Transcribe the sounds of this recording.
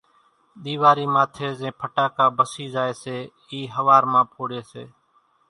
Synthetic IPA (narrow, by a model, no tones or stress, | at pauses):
ɗ̪iːʋaːɾiːmaːt̪ʰeːzẽːpʰəʈaːkaːbəsiːzaːeːseː | iːɦəʋaːɾmãːpʰoːɽeːsḛː